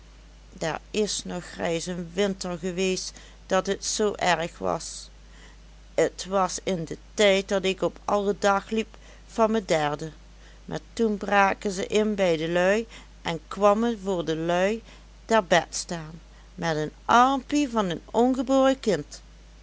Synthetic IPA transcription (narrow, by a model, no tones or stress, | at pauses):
dɛ̰ɹɪsnɔxrɛjsənʋɪntəɹɣəʋejst | d̥ɑtɦətsowʔɛɹxʋɑ̰s | ətʋɑsɪndətɛjt̚dɑtɪkɔpʰɑlˠədɑxlip | fɑnmədɛɹdə | mʔa̰ːɹtunbraːkənzəʔɪnbɛjdəlœɥ | ʔɛnkʋɑmənvʊːɹdəlœɥ | d̥ɛɹbɛtstaːn | mɛtənʔɑɹmpivɑnənɔnɣəbʊːrəkɪnt